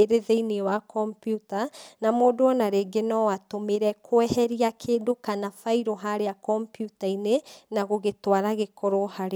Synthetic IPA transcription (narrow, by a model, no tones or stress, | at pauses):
eɾeðeiniwakɔmpjutanamoːdoɔnaɾeːɡenɔwatomeɾɛkʰoɛhɛɾiakʰeːdokanafaiɾoɦaɾeakɔmpjutainenaɣoɣetwaɾaɣekɔɾɔhaɾe